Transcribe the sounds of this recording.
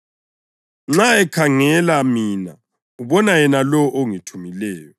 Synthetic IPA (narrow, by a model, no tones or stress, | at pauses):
ŋ͡ǁaɛkʰaŋɛlamiːna̰ | uβɔnajɛnalɔʔoŋitʰumilɛːjɔ